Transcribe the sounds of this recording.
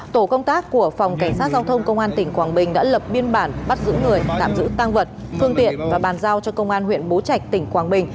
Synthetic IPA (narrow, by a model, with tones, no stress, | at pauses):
t̪o˧˩kə˧wŋ͡mt̪aː˦˥kku˧˩əfa˨˩wŋ͡mka˧˩jŋ̟saː˦˥t̚zaː˧wt̪ʰə˧wŋ͡mkə˧wŋ͡mʔaː˧nt̪ï˧˩ŋ̟kwaː˨˩ŋɓï˨˩ŋ̟ɗa̰ː˧˥lə˨˩p̚ɓi˧ənɓaː˧˩nɓa˦˥t̚zɨ̰˧˥ŋɨ˨˩əjt̪aː˧˨mzɨ̰˧˥t̪aː˧ŋvə˨˩t̚fɨ˧əŋt̪ḭ˧˨ənvaː˨˩ɓaː˨˩nzaː˧wt͡ɕɔ˧kə˧wŋ͡mʔaː˧nɦwḭ˧˨ənɓo˨˦t͡ɕa˨˩jk̚t̪ï˧˩ŋ̟kwaː˨˩ŋɓï˨˩ŋ̟